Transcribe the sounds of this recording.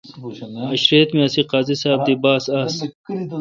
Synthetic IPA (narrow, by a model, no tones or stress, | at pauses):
ɐɕɾiɐt̪miɐsiqaːzisaːb̚d̪ibaːsaːs